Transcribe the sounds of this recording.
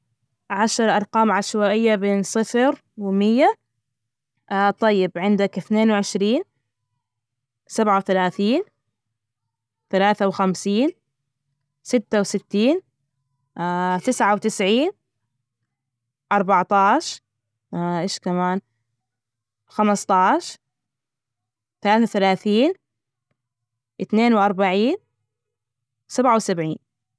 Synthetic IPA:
ʕaʃɾˤʔɑɾˤqɑːmʕaʃwaːʔɪjːabeːnsˤɨfɾ | wɪmɪjːa | ʔt̪ˤɑjːɪbʕɪnd̪akɪθneːnwʕɪʃɾiːn | sabʕawθalaːθiːn | θalaːθawxamsiːn | sɪt̪ːawsɪt̪ːiːn | t̪ɪsʕawt̪ɪsʕiːn | ʔɑɾˤbɑʕt̪ˤɑːʃ | ʔɪːʃkamaːn | xamɨsˤt̪ˤɑːʃ | θalaːθawθalaːθiːn | ʔɪθneːnwʔɑɾˤbaʕiːn | sabʕawsabʕiːn

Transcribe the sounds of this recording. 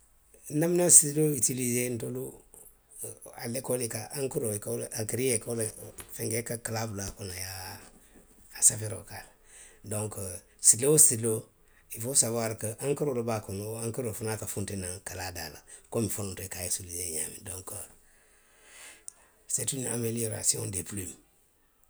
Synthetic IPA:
naminasiloitilizentolu | a̰lekolekaʔãŋkuɾoikalakiɾijekalfẽŋɡekakalablakonaja | safeɾo̰kala | dõŋk | sileosilo | ifosabaɾkəʔaŋkəɾolobakonoaŋkəɾofunaːkafũntenaŋkaladalakomifonõntoikajesulijeɲa̰mḭdɔ̃ŋkə | setina̰melioɾa̰siɔ̰̃ndeplum

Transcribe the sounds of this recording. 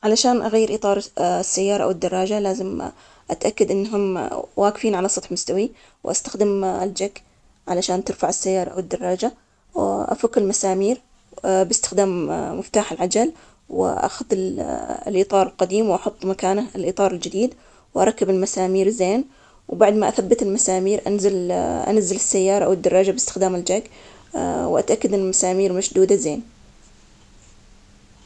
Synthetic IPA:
ʕalaʃaːnʔaɣajːɪɾʔiːt̪ˤɑːɾˤsːajːɑːɾˤɑʔa̰wɪd̪ːɑrˤːɑːd͡ʒalaːzɪm | ʔat̪ʔakːad̪ʔɪnːɦʊmwaːkɪfiːnʕalasˤɑt̪ˤħmʊst̪awi | wʔa̰st̪axd̪ɪmɪld͡ʒakː | ʕalaʃaːnt̪ɪɾfaʕɪsːajːɑːɾˤɑʔa̰wɪd̪ːɑrˤːɑːd͡ʒa | wʔa̰fakːɪlmasaːmiːɾ | bɪst̪ɪ̥xd̪aːmmɪft̪aːħɪlʕad͡ʒal | wɪ̰ʔa̰xʊðɪllʔiːt̪ˤɑːɾˤɪlqɑd̪iːmwʔɑħʊt̪ˤːmakaːnalʔiːt̪ˤɑːɾˤɪld͡ʒɪd̪iːd̪ | wʔɑ̰ɾˤɑkːɪbɪlmasaːmiːɾzeːn | wbaʕd̪maʔaθabːat̪ɪlmasaːmiːɾʔa̰nzalʔa̰nazːɪlɪsːajːɑːɾˤɑʔa̰wɪd̪ːɑrˤːɑːd͡ʒabɪst̪ɪ̥xd̪aːmɪld͡ʒaɡ | wʔat̪ʔakːad̪ɪnmasaːmiːɾmaʃd̪uːd̪azeːn

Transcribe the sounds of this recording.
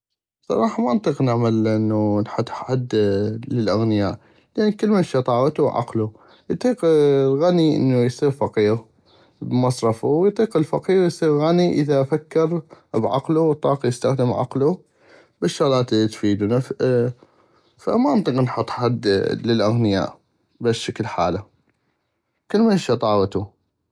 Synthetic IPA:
sˤɑ̰ɾˤɑːħɑmaʔnt̪ˤiːqnɪʕmalʔɪnːunħʊt̪ˤːħad̪ːləlʔaɣnɪjaːʔ | lʔanːkəlːmaʃit̪ˤɑːwt̪uʕa̰qlu | jt̪ˤiːqɣaniʔə̰nːujsˤiːɾfaqiːɣ | bmɑsˤɾˤɑfuwjt̪ˤiːqɪlfaqiːɣjsˤiːɣɣaniʔəðafakːɪɾbʕa̰qluwt̪ˤːɑːqjəst̪axd̪əmʕa̰qlu | bɪʃːʊɣlɑːt̪t̪fiːd̪unaf | fa̰maʔnt̪ˤiːqnħʊt̪ˤːħad̪ːlɪlʔaɣnɪja̰ːʔ | bɪʃːakəlħa̰ːla | kəlːmaʃit̪ˤɑːwt̪u

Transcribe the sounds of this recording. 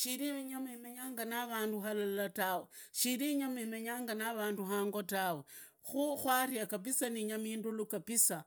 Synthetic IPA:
ʃiɾiɲamimeɲaːŋɡanaβaːnduɦalalataweʃiɾiɲamimeɲaːŋɡanaβaːnduɦaːŋɡotawe | xuxwarjakap̬isaniɲamiːndulukapisa

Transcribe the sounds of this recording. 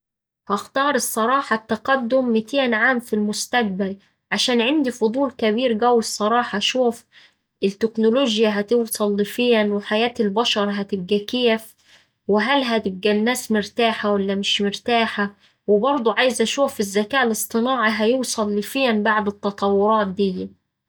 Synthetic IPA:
hɑxt̪ɑːɾˤɨsˤːɑɾˤɑːħɑt̪ːaqɑd̪ːʊmːɪt̪eːnʕaːmfilmʊst̪æɡ̚bæl | ʕaʃæːnʕɪnd̪ifʊd̪ˤuːlkæbiːɾɡæwːɪsˤːɑɾˤɑːħɑʃuːf | ʔɪt̪ːɪknʊloːʒjaɦæt̪ɪwsˤɑlːɪfiːænwɪħajæːt̪ɪlbɑʃɑɾˤɦæt̪ɪb̚ɡækeːf | wɪɦælɦæt̪ɪb̚ɡænːæːsmɪɾt̪aːħawalːæmɪʃmɪɾt̪aːħa | wɪbɑɾˤd̪ˤuʕaːjɪzʔæʃuːfɪzːækæːʔlɨsˤt̪ˤɨnɑːʕiɦæjuːsˤɑlːɪfiːænbaʕd̪ɪt̪ːɑt̪ˤɑwːʊɾˤɑːt̪̚d̪ɪjːæ

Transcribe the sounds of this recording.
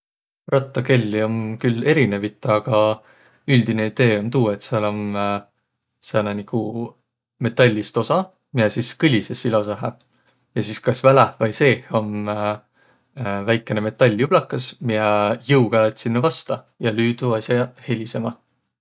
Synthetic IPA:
rɑt̪ːˑɑke̞lʲːio̞nkyle̞ɾine̞vit̪ːˑɑɡ̥ɑ | yld̪̥ine̞id̪̥e̞ːo̞nt̪uːe̞t̪seɑlo̞n | sɑnɑniɡ̥u | me̞t̪ːˑɑlʲːist̪o̞sɑ | mijɛsiskɯlʲisesilos̬ɑɦæ̰ | jɑsiskɑsvælævɑjse̞ːho̞n | væjkːˑe̞neme̞t̪ːˑɑlʲːjub̥lɑkːˑɑsmijɛjɯwɡ̥ɑet̪sinːevɑst̪ɑ | jɑlyːd̪̥uɑsʲɑhe̞lʲise̞mɑ

